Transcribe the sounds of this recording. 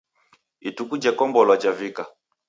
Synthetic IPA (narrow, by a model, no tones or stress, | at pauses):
itukud͡ʒɛkɔmbɔlwat͡ʃavika